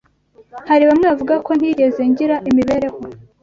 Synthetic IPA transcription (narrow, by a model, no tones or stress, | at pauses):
haɾiβamŋeavuɡako̞n̥iːɟe̞ze̞ɲɟiɾaʔimiβe̞ɾe̞ho